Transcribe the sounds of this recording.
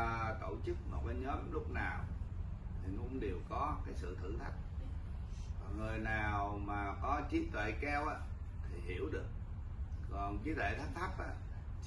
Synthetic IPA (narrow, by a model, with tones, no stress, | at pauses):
t̪o̰˧˩t͡ɕɨ˦˥k̚mo˨˩ɓə˧˦ɲɔ˨˦mlʊ˦˥k͡p̚naː˨˩wt̪ʰi˨˩ŋʊ˧ŋ͡mɗe˨˩əwkɔ˨˦kaː˨˦jsɨ̰˧˨t̪ʰɨ̰˧˩t̪ʰə˨˩jk̚ | vaː˨˩ŋɨ˨˩əjnaː˨˩wmaː˨˩kɔ˨˦t͡ɕi˨˦t̪wḛ˧˨kɛ˧wʔaː˧˥ | t̪ʰi˨˩ɦi˧˩əwɗɨ˨˩ək̚ | kɔ˨˩nt͡ɕɨ˨˦t̪ʰwḛ˧˨˩t̪ʰa˦˥k̚t̪ʰa˦˥p̚ʔa̰ː˧˨